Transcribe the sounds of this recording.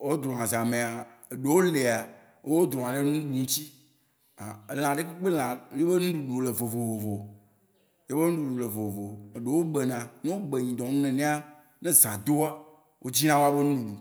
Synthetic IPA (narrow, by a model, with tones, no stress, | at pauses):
wo˦d̪ɾɔ˨ã˨zã˨mẽ˨a˨ | e˨ɖe˨wo˦le˨a˨ | wo˦wo˦d̪ɾɔ˨ã˨ɖe˦nũ˦ɖu˨ŋ̩̃˦t͡ɕi˦˨ | e˨l̃ã˨ɖe˦ke˦k͡pe˦lã˨˦je˦be˦nũ˦ɖu˨ɖo˨le˨vo˨vo˨vo˨vo˨ | je˦be˦nũ˦ɖu˨ɖo˨le˨vo˨vo˨vo˨e˨ɖe˨wo˦ɡ͡be˨nã˨nẽ˦wo˦ɡ͡be˨ɲĩ˨d̪ɔ̃˨nũ˦nɛ̃˨nẽ˦a˦ | nẽ˦zã˨d̪o˦a˦ | wʔo˦d͡ʑi˦nã˦wo˦a˦be˦nũ˦nũ˦ɖu˨